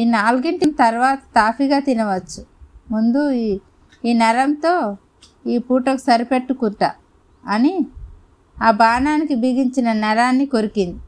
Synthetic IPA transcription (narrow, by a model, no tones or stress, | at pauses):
inaːluɡiɳʈɐmt̪ɐɾʋaːt̪ɐ̥t̪aːfiɡaːt̪inɐʋɐt͡ʃːumund̪u | iːnɐɾɐmt̪o̞ː | iːpuːʈɐku̥sɐɾipe̞ʈːukuɳʈa | ɐni | aːbaːnaːnikibiːɡiɲt͡ʃinɐnɐɾaːnːiko̞ɾikind̪i